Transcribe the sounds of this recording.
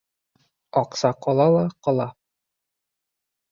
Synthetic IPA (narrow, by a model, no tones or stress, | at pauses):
ɒqsɑqɒlˠɑlˠɑqɒlˠɑ